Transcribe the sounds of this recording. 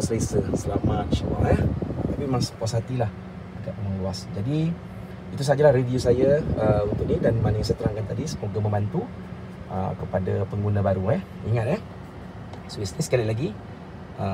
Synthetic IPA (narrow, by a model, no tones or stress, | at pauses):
səlesəsəlamat̪̚t͡ʃəma̰jaht̪apiemãŋsə̥puasat̪ilah | aɡaʔ̚məŋluasd͡ʒadi | it̪usad͡ʒalahɾeviusajaəunt̪ʊʔ̚nidanmanajãŋsajat̪əɾaŋkant̪adisəmoɡamə̃mbant̪u | ʔə̰kəpadapəŋɡunãbaɾuɛhiŋat̪̚ɛh | suwisnisə̥kalilaɡi | ʔə